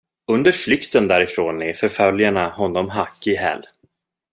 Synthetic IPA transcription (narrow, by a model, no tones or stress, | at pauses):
ɵnd̪əɾflʏkt̪ənd̪æːɾɪfɾoːnɛfœɾfœljaɳaɦɔnːɔmɦakːɪɦɛ̰lː